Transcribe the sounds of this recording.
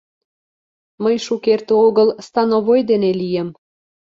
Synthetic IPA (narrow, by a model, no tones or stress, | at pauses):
məjʃukert̪ooɣəlst̪ɑnoβojd̪enelijə̆m